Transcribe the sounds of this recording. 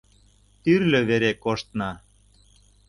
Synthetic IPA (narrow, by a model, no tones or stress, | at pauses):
t̪yrlø̆βeɾekoʃt̪nɑ